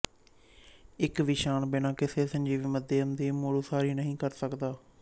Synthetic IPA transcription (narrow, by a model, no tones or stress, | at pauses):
ɪkʋɪʃaːnbɪnãːkɪseːsəɲʲd͡ʒiːʋiːməd̪eːəmd̪iːmoːɽuːsaːɾiːnəɦĩːkəɾsəkd̪aː